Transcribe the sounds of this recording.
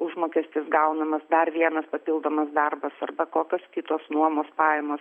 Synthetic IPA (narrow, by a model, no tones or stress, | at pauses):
ʊʒmoːkʲɛsʲt̪ʲɪsɡɐʊnɐmɐsd̪ɐrʋʲiɛnɐspɐpʲɪlˠd̪oːmɐsd̪ɐrbɐsɐrbɐkoːkʲoːskʲɪt̪oːsnuɔmoːspɑːjɛmoːs